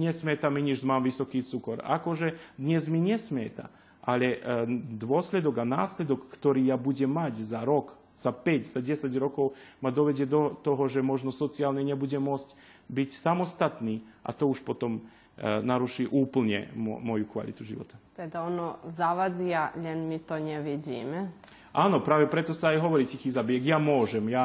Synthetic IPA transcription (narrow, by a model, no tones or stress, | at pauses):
ɲɛsmɛt̪amiɲiʒmaːmʋisɔkiːt͡sukɔɾa̰koʒɛd̪ɲɛzmiɲɛsmɛt̪a̰ | alɛd̪ʋɔslɛd̪ɔɡanaːslɛd̪ɔkːt̪ɔɾiːjabuɟɛmːaczaɾɔk | z̥apɛcz̥aɟɛsaɟɾɔkɔwmad̪ɔʋɛɟɛd̪ɔt̪ɔɦɔʒɛmɔʒnɔsɔt̪t͡siaːlnɛɲɛbuɟɛmɔt͡scʲ | bicʲsamost̪at̪niʔa̰t̪ouʃpot̪om | naɾuʃiʔuːpl̩ɲɛ̰mo̰mojukʋa̰lḭt̪uʒḭʋo̰t̪ḁt̪ɛd̪aonozaʋad̪ijaʎɛnmit̪onɛʋid͡ʑḭmɛ | anopɾaːʋɛpɾɛt̪osaajɦoʋoɾicʲixizabjekjaːmoʒɛmjaː